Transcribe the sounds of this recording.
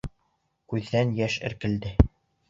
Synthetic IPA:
kʉðːænjæʃɘ̰̆ɾkɘ̆ld̪ɘ

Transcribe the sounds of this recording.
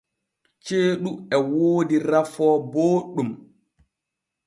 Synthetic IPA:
t͡ʃeːɗuɛwoːdiɾafɔboːɗːum

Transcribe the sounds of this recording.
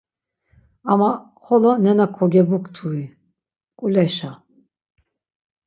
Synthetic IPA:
ama | χɔlɔnɛnakʰɔɡɛbukʰʼt̪ʰui | kʼulɛʃa

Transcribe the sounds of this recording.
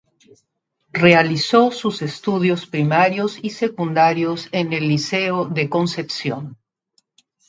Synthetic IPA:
realisosusest̪uðjo̞spɾimaɾjosise̞kund̪aɾjosene̞lːiseoðe̞ko̞nse̞psjo̰n

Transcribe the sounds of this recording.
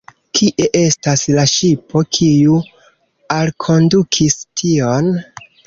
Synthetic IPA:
kʰiʔe̞ʔe̞staslaʃipʰo̞kʰiju | alkʰo̞ndukʰistʰio̞n

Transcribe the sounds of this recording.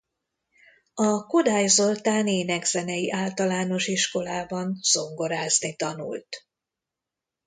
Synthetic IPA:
ɒko̞d̪aːjzo̞lt̪aːneːnɛɡz̥ɛnɛjiʔaːlt̪ɒlaːno̞ʃiʃko̞laːbɒnz̥o̞ŋɡo̞ɾaːznit̪ɒnṵlt̪

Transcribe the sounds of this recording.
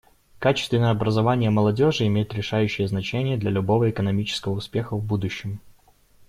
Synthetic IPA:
kat͡ɕɪ̥st̪vʲɪnəjəɐbɾəzɐvanʲɪjəməlˠɐdʲo̞ʐɨɪmʲejɪt̪ɾʲɪʂajʉɕːɪjəznɐt͡ɕenʲɪjəd̪lʲɐlʲʊbo̞vəɪkənɐmʲit͡ɕɪ̥skəvəʊspʲe̞xəvbud̪ʊɕːɪm

